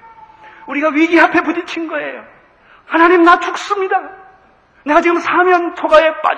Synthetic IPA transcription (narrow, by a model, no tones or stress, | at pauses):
uɾiɡaɥiɡiɦapʰe̞pud͡ʑit͡ɕʰinɡʌe̞jo | hanaɲimnat͡ɕʰuk̚s͈ɯmɲida | ne̞ɡat͡ɕiɡɯmsʰamjʌnt͡ɕʰoɡae̞p͈a̰